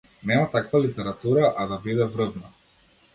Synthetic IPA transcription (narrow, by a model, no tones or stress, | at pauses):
nɛmat̪akvalit̪ɛɾat̪uɾaʔad̪abid̪ɛvɾɤvna